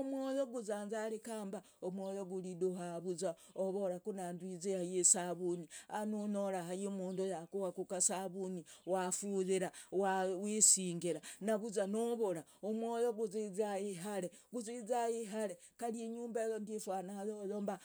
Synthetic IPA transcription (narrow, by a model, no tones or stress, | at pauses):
omwojoɡuzaːnzalikaːmba | omwojoɡuliduɦaβuza | oβoɾakunandwizehajesaβunianunoɾaɦajimuːndojakuwakukasaβuniwafuðiɾawawisiːŋɡiɾanaβuzanoβoɾa | omwojoɡuzizajiɦaɾeɡuzizajiɦaɾe | kaljiɲuːmbejondifwanahajojoːmba